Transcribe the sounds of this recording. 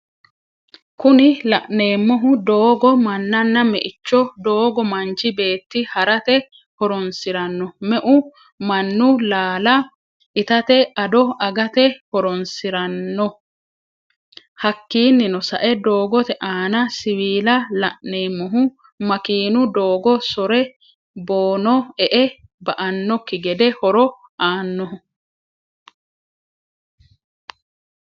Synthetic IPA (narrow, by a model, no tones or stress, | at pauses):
kʊnɪlɐʔne̞ːmːɔɦʊd̪oːɡɔmɐnːɐnːɐmɛʔɪt͡ʃːɔd̪o̞ːɡɔmɐnt͡ʃɪbe̞ːt̪ːɪhɐɾɐt̪ɛ | hɔɾɔnsɪɾɐnːɔmɛʔʊ | mɐnːʊlaːlɐ | ʔɪt̪ɐt̪ɛɐd̪ɔɐɡɐt̪ɛhɔɾɔnsɪɾɐnːɔ | hɐkːiːnːɪnɔsɐ̰ʔɛd̪o̞ːɡɔt̪ɛʔaːnɐsɪwiːlɐlɐʔneːmɔɦʊ | mɐkiːnʊd̪oːɡɔsɔɾɛ | boːnɔɛʔɛbɐʔɐnːɔkːɪɡɛd̪ɛhɔɾɔ | aːnːɔhʊ